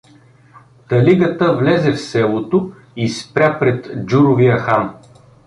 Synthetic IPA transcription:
t̪ɐliɡət̪əvlɛzɛfsɛlˠot̪o | ispɾʲapɾɛt̪d͡ʒuɾovijəxam

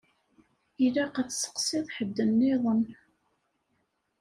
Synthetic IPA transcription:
ilæqat͡sːsə̥qsɪðˤħəd̪ːənːɪðˤən

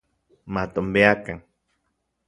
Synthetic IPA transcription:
mat̪ombeakaŋ

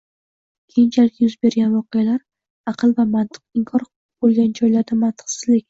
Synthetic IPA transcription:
kʲʰejɪnt͡ʃʰalɪkʲjʊzbe̞ɾɡʲanvɒqʰɨjalaɾ | ɑqʰɨlˠvamant̪ʰɨ̥q̚ɪŋkʰɒɾqʰlˠ | bolˠɡʲand͡ʒɒjlaɾd̪amant̪ʰɨ̥qsɪzlɪkʲ

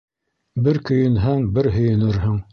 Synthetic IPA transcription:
bɘɾkɵ̆jɵ̆nɦæŋbɘɾɦɵ̆jɵ̆nɘɾɦɤɴ

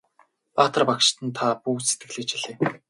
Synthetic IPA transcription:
paːt̪ə̆rpakʃt̪ə̆nt̪ʰapuːse̥t̪̚ɡɘ̆ɮĭːkt͡ɕʰiɮeː

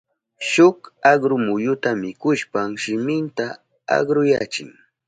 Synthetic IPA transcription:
ʃʊkaɢɾʊmʊjʊt̪amɪkʊʃpamʃɪmɪnt̪a | a̰ɢɾʊjat͡ʃɪ̰ŋ

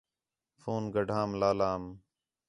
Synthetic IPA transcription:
foːnɡəɖʱaːmlaːlaːm

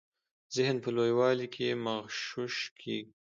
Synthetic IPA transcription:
zɪhnpəlojwɑlikʰemaɣʃʊʃkʰeɡi

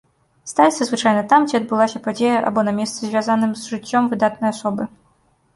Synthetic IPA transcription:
st̪alʲit̪sʲɐzvɨt͡ʂajnɐt̪amd͡zʲiɐd̪̚bɨlˠasʲɐpad͡zʲejɐʔa̰bɔnɐmʲɛst̪sɨzʲvʲjazanɨmzʐɨt͡sʲːɔmvɨd̪at̪̚nɐjasɔbɨ

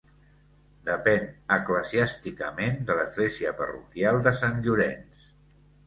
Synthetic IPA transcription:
d̪əpɛnəkləziast̪ikəmend̪ələzɣleziəpə̰rṵkjalˠd̪əsaŋʎuɾɛns

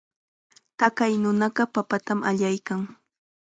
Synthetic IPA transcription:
t̪akajnʊnɑɢɑpapat̪amʔaʎajkaŋ

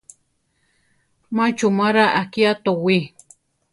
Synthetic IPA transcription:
mat͡ʃumaɾaʔakiat̪owi

